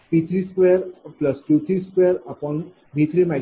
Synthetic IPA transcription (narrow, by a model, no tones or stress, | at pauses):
pit̪ʰɾiskweɾpləsʈut̪ʰɾiskweɾapɔn | bʱit̪ʰɾimɛ